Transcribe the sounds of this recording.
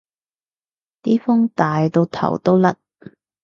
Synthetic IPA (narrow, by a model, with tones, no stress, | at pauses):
t̪iː˥fʊ˥ŋt̪aː˨jt̪o˧wt̪ʰɐ̰˨˩wt̪o˥wlɐ˥t̚